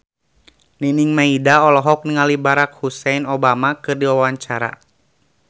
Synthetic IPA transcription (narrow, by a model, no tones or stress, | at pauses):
niniŋmaidaɔlɔɦɔk̚niŋalibaɾak̚husɛjnɔbamakɨrdiwawaɲt͡ʃaɾa̰